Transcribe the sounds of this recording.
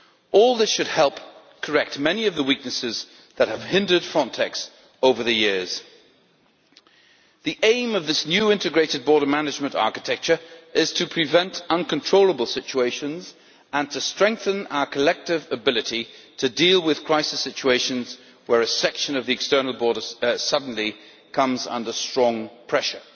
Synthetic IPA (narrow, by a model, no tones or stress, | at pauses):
ɔlˠðɪsʃɨd̚hɛlˠp | kʰə˞ɛk̚t̚mɛniʌvðəwik̚nɨsɪz | ðɨt̚həv̥hɪ̃ndə˞d̥fɹɑ̃ntʰɛks | oʊvə˞ðɨjɪɹz̥ | ðiʔẽɪ̃mʌvðɪsnjʉɪ̃ntɨɡɹeɪɾɨd̚bɔɹɾə˞mænɨd͡ʒmə̃ntɑ̰ɹkɨtʰɛk̚t͡ʃə˞ʔɪz̥tʰɨpʰɹ̥ɨvɛ̃ntʌ̃nkə̃n̩tʰɹ̥oʊlˠəbl̩ˠst͡ʃueɪʃɨ̃nz | ə̃ntʰɨstɹ̥ɛ̃ŋk̚θɨ̃na̰ʊə˞kʰəlɛk̚tɨvɨbɪlˠɨɾitʰɨdilˠwɨð̥kʰɹ̥aɪsɨsɪt͡ʃueɪʃɨ̃nz | wə˞ɨsɛkʃɨ̃nʌvðiɨkstɜ˞nl̩ˠbɔɹɾə˞sʌdⁿn̩li | kʰʌ̃mzʌ̰̃ndə˞stɹ̥ɔ̃ŋpʰɹ̥ɛʃə˞